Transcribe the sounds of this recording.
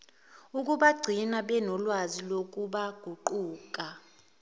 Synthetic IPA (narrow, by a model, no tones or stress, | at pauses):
uk̬ʼuɓaɡ͡ǀʱinaɓɛnɔlwazilokʼuɓaɡ̥ʱuǃuːkʼa